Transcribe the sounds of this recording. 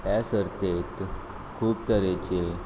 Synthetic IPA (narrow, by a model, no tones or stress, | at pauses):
jasəɾt̪et̪ | kʰuːp̚t̪əɾet͡ɕe